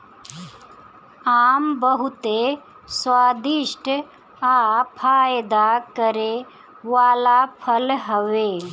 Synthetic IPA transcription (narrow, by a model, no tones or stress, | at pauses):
aːmbəɦut̪e | swaːd̪iʂʈə | apʰaːjd̪akəɾe | ʋaːlapʰəlɦəʋeː